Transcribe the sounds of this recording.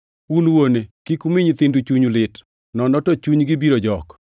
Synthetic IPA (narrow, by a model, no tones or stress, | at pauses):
unwonekikumɪɲt̪ɪndut͡ʃuɲlɪt | nɔnɔtɔt͡ʃuɲɡɪbiɾod͡ʒɔk